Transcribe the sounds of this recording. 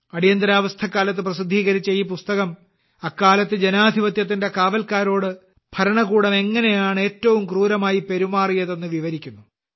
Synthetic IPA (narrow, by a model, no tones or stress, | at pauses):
ɐɽijɐnd̪ɐɾaːʋɐst̪ʰɐkːaːlɐt̪̬ːɨprɐs̬id̪ʱːiːɣɐɾit͡ɕːɐjiːipust̪ɐɣɐm | ɐkːaːlɐt̪ːɨd͡ʑenaːd̪ʱiʋɐt̪jɐt̪̬ːinde̞kaːʋɐlkaːɾo̞ːɽɨ | b̥ʰʱɐɾɐɳɐɣuːɽɐme̞ŋːɐnejaːɳe̞ːtːɐʋumkruːɾɐmaːjipe̞ɾumaːrijɐðe̞nːɨʋiʋɐɾikʲːunːu